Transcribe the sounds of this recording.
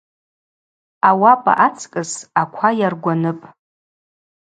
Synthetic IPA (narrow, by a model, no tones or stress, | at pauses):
awapʼa̰ʔat͡sʼkʼɨsakʷʰajarɡʷanɨpʼ